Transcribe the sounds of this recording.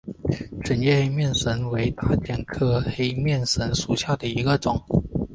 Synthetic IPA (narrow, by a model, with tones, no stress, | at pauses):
ʈ͡ʂə˨˩njɛ˥˧xe˥ɪmjɛ˥˩nsə˧˥nwe˧˥ɪt̪a˥˩t͡ɕjɛ˨˩nkʰɤ˥˧xe˥ɪmjɛ˥˩nʂə˧˥nʂu˨˩ɕja˥˩d̪ə˩i˧˥ɡə˧ʈ͡ʂʊ˨˩˦ŋ